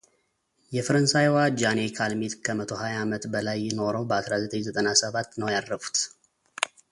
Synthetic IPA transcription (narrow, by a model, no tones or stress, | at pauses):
jɛfəɾənsajwad͡ʒanekʰalmet̪kʰəmət̪ʰo̞hajaamət̪bəlajːɪno̞ɾəwbəasɾazət̪ʼəɲzət̪ʼənasəβat̪ːnəwjad̪ɾəfu̥t̪